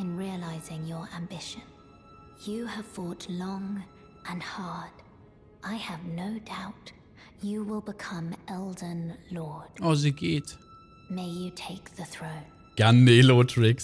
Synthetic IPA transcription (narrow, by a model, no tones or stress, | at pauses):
ɨ̃nɹiəlaɪzɪ̃ŋjə˞ʔæ̃mbɪʃɨ̃n | jɨəv̥fɔtlɔ̃ŋ | ʔɨ̃nhɑɹd̥ | ʔaɪɨvnoʊdaʊt | jɨwɪlˠbɪkʰʌ̃mɛlˠdənlɔɹd̥ɔzɨɡɪt | meɪjɨtʰeɪk̚ðɨθɹõʊ̃n | ɡ̥anːilɔːtʰɹɪks